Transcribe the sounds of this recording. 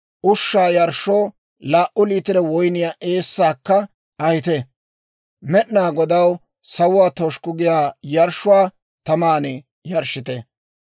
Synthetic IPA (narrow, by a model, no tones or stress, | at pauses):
ʔʊʃːaːjɐɾʃːoː | laːʔʊliːt̪ɪɾɛwɔjnɪjaːʔeːsːaːkːɐ | ɐhɪt̪ɛ | mɛɗnaːɡɔd̪ɐw | sɐwʊwaːt̪oʃkʊɡɪjaːjɐɾʃːʊwaː | t̪ɐmaːnɛ | jɐɾʃɪt̪ɛ